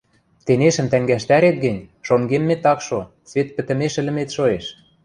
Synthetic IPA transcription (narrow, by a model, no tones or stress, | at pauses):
t̪eneʃə̆mt̪æŋɡæʃt̪æɾet̪̚ɡɘ̆nʲʃoŋɡemːet̪ɑkʃo | sβet̪̚pɘ̆t̪ə̆meʃɘ̆lɘ̆met̪ʃoeʃ